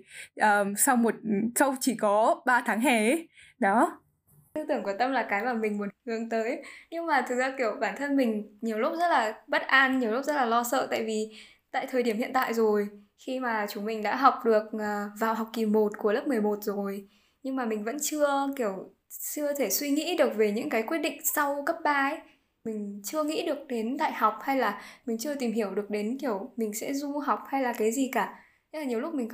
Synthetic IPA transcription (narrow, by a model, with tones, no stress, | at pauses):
ʔəː˨˩sa˧wmo˨˩t̚sə˧wt͡ɕi˧˩kɔ˨˦ɓaː˧t̪ʰaː˨˦ŋɦɛ˧˩˦ | ɗɔ˨˦ | t̪ɨ˧t̪ɨ˧˩əŋku˧˩ət̪ə˧mlaː˨˩kaː˨˦jmaː˨˩mï˨˩ŋ̟mu˨˦ənhɨ˨˩əŋt̪əː˨˦jɲɨ˧ŋmaː˨˩t̪ʰɨ˨˩k̚zaː˧ki˧˩əwɓaː˧˩nt̪ʰə˧nmï˨˩ŋ̟ɲi˨˩əwlʊ˦˥zə˦˥t̚laː˨˩ɓə˦˥t̚ʔaː˧nɲi˨˩əwlp̚zə˦˥t̚laː˨˩lɔ˧sə̰ː˧˨t̪a̰ː˧˨jvi˨˩ | t̪a̰ː˧˨jt̪ʰəː˨˩jɗi˧˩əmhḭ˧˨ənt̪a̰ː˧˨jzo˨˩j | xi˧maː˨˩t͡ɕʊ˨˦ŋ͡mmï˨˩ŋ̟ɗa̰ː˧˥ɦa˨˩wk͡p̚ɗɨ˨˩ək̚ʔːvaː˨˩wɦa˨˩wk͡p̚ki˨˩mo˨˩t̚ku˧˩ələ˦˥p̚mɨ˨˩əjmo˨˩t̚zo˨˩j | ɲɨ˧ŋmaː˨˩mï˨˩ŋ̟və̰˧˥nt͡ɕɨ˧əki˧˩əw | t͡ɕɨ˧ət̪ʰe˧˩swi˧ŋḭ˧˥ɗɨ˨˩ə˩k̚ve˨˩ɲɨ̰˧˥ŋkaː˨˦jkwət̚ɗḭ˧˨ŋ̟sa˧wkə˦˥p̚ɓaː˧ʔe˦j | mï˨˩ŋ̟t͡ɕɨ˧əŋḭ˧˥ɗɨ˨˩ək̚ɗe˨˦nt̪a̰ː˧˨jha˨˩wk͡p̚ha˧jlaː˨˩mi˨˩ŋ̟t͡ɕɨ˧ət̪i˨˩mhi˧˩əwɗɨ˨˩ək̚ɗe˨˦nki˧˩əwmï˨˩ŋ̟sɛ̰˧˥zu˧ɦa˨˩wk͡p̚ha˧jlaː˨˩kaː˨˦jzi˨˩kaː˧˩˧ | laː˨˩ɲi˨˩əwlʊ˦˥k͡p̚mï˨˩ŋ̟